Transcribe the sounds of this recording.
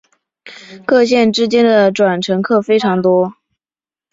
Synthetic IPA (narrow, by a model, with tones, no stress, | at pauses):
kɤ˥˧ɕjɛ˥˩nʈ͡ʂɻ̩˥t͡ɕjɛ˥nd̪ə˨ʈ͡ʂwa˨˩nʈ͡ʂʰɤ˧˥ŋkʰɤ˥˩fe˥ɪʈ͡ʂʰɑ˧˥ŋt̪wɔ˥